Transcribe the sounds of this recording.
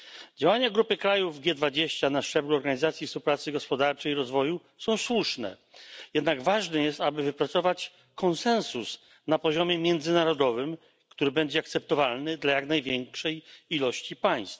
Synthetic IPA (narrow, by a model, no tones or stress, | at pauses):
d͡ʑawaɲaɡɾupɘkɾajuvɡʲjɛd̪vad͡ʑeɕt͡ɕanaʂt͡ʂɛbluɔɾɡaɲizat̪sʲjifspuwpɾat̪sɘɡɔspɔd̪aɾt͡ʂɛjiɾɔzvɔju | sɔ̃w̃swuʂnɛ̰ | jɛd̪naɡvaʐnɛjɛst̪abɘvɘpɾat̪sɔvat͡ɕ | kʰɔnsɛ̃nsus | napɔʑɔmʲjɛmʲjɛnd̪zɘnaɾɔd̪ɔvɘm | kt̪uɾɘbɛɲd͡ʑɛakt̪sɛp̚t̪ɔvalnɘd̪lajaknajvʲjɛŋkʂɛjilɔɕt͡ɕipaj̃st̪f